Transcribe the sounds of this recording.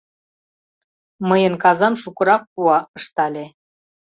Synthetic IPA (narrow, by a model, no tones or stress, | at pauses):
məjənkɑzɑnʃukə̆ɾɑk̚puɑəʃt̪ɑlʲe